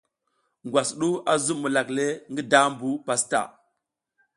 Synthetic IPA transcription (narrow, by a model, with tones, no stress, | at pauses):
ŋɡwa˨sɗu˦a˦zu˦mu˨la˨kle˦ŋɡi˦da˦mbu˦pa˨sta̰˨